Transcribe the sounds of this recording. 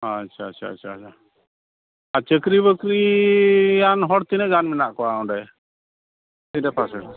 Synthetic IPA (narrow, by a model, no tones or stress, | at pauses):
at͡ʃʰaːt͡ʃʰa̰ːt͡ʃʰaːt͡ʃʰa | at͡ʃəkɾibəkɾi | janɦɔɽt̪inɛɡanmɛnaʔkɔaɔɳɖɛ | t̪idɛpasɛɽ